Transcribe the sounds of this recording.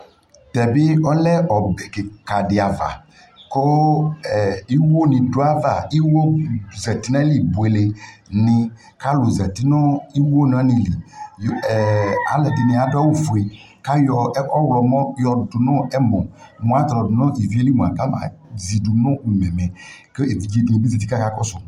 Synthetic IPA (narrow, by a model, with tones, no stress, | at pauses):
t̪ɛ˨be˦ɔ˦lɛ˦ɔ˨bɛ˨ke˨ka˨dɪ˨a˨va̰˨ | ko˦˨ | i˦wo˦nĩ˨do˦a˦va˨i˦wo˦zɛ˨t̪i˦na˦li˨bu˨e˨le˨nɪ̃˨ | ka˦lo˨zɛ˨t̪i˦nɔ˦i˦wo˦n˨˦a˦nĩ˨li˨ | a̰˨lɛ˨dɪ˨nĩ˨a˨dʊ˦a˦wo˨fu˨e˨ | ka˦jɔ˨˦ɔ˦wlɔ˨mɔ̃˦jɔ˨dʊ˨nɔ̃˦ɛ˦mɔ̃˨ | mɔ̃˨a˨t̪ɔ˨dʊ˨nɔ̃˦i˨vi˨˦e˦li˦m˨a˨ɡa˦mã̰˨zi˨du˨nɔ̃˦u˨mɛ̃˨mɛ˨ke˦˨˦d͡ʒi˦˨ĩ˨bi˦zɛ˨t̪i˦ka˦ka˦kɔ˦sʊ˨